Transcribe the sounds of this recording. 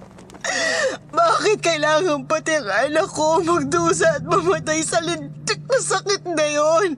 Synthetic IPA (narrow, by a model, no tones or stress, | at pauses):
baːkɪt̪̚kɐɪlaːŋɐŋpɐt̪ɪɾalɐkomɐɡ̚d̪uːsɐɐt̪̚mɐmɐt̪ajsɐlɪnt̪ɪk̚nɐsɐkɪt̪̚nɐjon